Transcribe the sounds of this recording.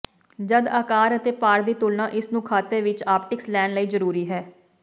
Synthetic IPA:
d͡ʒəd̪aːkaːɾət̪eːpaːɾd̪iːt̪ʊlnãːʔɪsnũːkʰaːt̪eːʋɪt͡ʃaːpʈɪkslɛːnləiːzəɾuːɾiːɦɛː

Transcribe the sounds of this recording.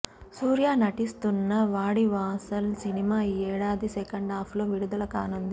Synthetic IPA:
suːɾjaːnɐʈist̪unːɐʋaːɽiʋaːsɐlsinimaːiɛːɽaːd̪isekɐɳɖaːpʰloːʋiɽud̪ɐlɐkaːnɐnd̪i

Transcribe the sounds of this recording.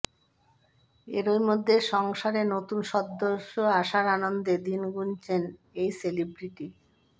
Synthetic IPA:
ḛɾoimod̪ʱːeʃɔŋʃaɾenot̪unʃɔd̪ːoʃoaʃaɾanond̪ed̪inɡunt͡ɕʰen | ejselibɾiʈi

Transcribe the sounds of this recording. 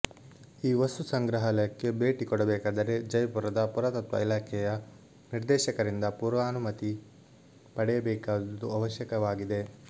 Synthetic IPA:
iːʋɐst̪usɐŋɡɾɐɦɐlɐjɐkːe̞beːʈikɔɽɐbɛːkaːd̪ɐɾe̞d͡ʒɐjpuɾɐd̪ɐpuɾɐt̪ɐt̪ʋɐ̰ilaːkʰɛjɐ | niɾd̪ɛːʃɐkɐɾind̪ɐpuɾʋaːnumɐt̪i | pɐɽɛjɐbɛːkaːd̪ɐd̪uɐʋɐʃjɐkɐʋaːɡid̪e̞

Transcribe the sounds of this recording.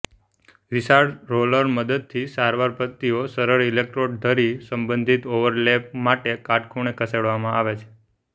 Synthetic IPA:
ʋisaɽɾoləɾməd̪əd̪̚t̪ʰisaɾʋaɾpət̪ːiosəɾəɾilek̚ʈɾoɖd̪ʱəɾisəmbə̃nd̪ʱit̪oʋəɾlep̚maʈekaʈkʰuɳ̃ekʰəseɽʋamãaʋet͡ʃʰe̥

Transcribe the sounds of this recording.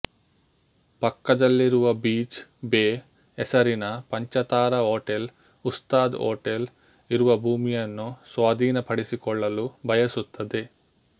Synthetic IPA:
pɐkːɐd̪ɐlːiɾuʋɐbiːt͡ʃbeː | ɛsɐɾinɐpɐɲt͡ʃɐt̪aːɾɐɦoːʈel | ust̪aːd̪o̰ːʈel | iɾuʋɐbʱuːmijɐnːusʋaːd̪iːnɐpʰɐɽisikɔɭːɐlubʱɐjɐsut̪ʰːɐd̪e

